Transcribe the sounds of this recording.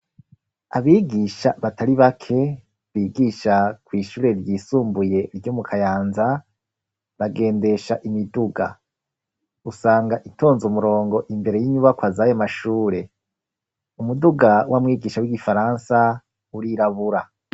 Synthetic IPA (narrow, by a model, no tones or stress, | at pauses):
aβiːɡiʃaβatʰaɾiβakʰe̞ | βiːɡiːʃakwiːʃuːɾe̞ɾɟiːsuːmbuje̞ɾɟomukʰajaːnza | βaɡe̞ːnde̞ʃaʔimiduɡa̰ | usaːŋɡaʔitʰo̞ːnzumuɾo̞ːŋɡo̞ʔimbe̞ɾe̞jiɲuβakwazajomaʃuːɾe̞ | umuduɡawamŋiːɡiːʃawiɡifaɾansa | uɾiɾaβuɾa